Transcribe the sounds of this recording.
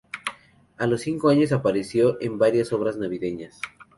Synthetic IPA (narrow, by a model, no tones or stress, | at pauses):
alo̞sːiŋko̞aɲo̞s̬apaɾe̞sjo̞ʔembaɾjaso̞βɾaznaβiðe̞ɲas